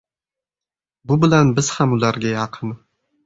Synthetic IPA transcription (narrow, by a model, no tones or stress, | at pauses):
bʊbɪlanbɪz̥hamʊlaɾɡʲajɑqʰɨn